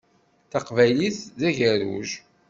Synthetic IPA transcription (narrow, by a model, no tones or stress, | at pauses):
θɑqvæjliθðæʝæɾṵʒ